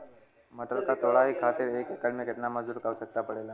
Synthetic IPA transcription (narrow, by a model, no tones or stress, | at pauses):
məʈ̪ɾəkat̪ʰoɽaɦikʰat̪iɾekekəɽmẽket̪naməzd̪uːɾkausək̚t̪apəɽela